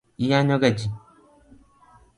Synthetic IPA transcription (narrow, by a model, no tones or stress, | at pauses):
ijaɲɔɡɛd͡ʒi